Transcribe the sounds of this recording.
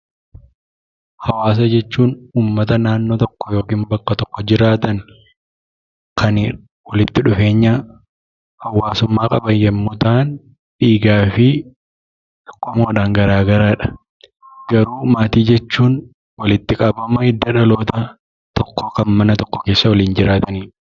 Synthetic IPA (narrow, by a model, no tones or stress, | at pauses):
hɐwaːs̬ɐd͡ʒɛt͡ʃːuːnuːmːɐt̪ɐnaːnːoːt̪ɔkːɔjo̞ːkiːnbɐkːɐt̪ɔkːɔd͡ʒɪɾaːt̪ɐn | kʰɐn | wɐlɪt̪ːɪᶑʊfe̞ːɲːɐ | hɐwːaːsʊmːaːkʼɐbɐnjɛmːʊt̪aːn | ᶑiːɡaːfɪ | t̪ɔ̥kʼːɔmoːᶑaːŋɡɐɾaːɡɐɾaːᶑɐ̥ | ɡɐɾuːmaːt̪iːd͡ʒɛt͡ʃːuːn | wɐlɪt̪ːɪkʼɐbɐmɐɪd̪ːɐᶑɐlo̞ːt̪ɐ | t̪ɔkːɔkɐnmɐnɐt̪ɔkːɔkeːsːɐwɐliːnd͡ʒɪɾaːt̪ɐniː